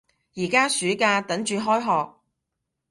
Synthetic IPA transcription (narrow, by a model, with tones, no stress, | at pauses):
jiː˨˩kaː˥syː˨˥kaː˧t̪ɐ˨˥ŋt͡ʃyː˨˧ɦɔː˥jɦɔː˨k̚